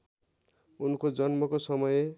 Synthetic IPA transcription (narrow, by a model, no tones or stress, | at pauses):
unkod͡zʌnmʌkosʌmʌje